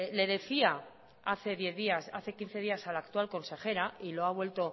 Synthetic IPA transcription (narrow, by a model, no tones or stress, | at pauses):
le̞ð̞e̞θia | aθe̞ðje̞ðiasaθe̞kin̟θe̞ð̞iasalakt̪ualko̞nse̞χe̞ɾailo̞aβ̞we̞lt̪o̞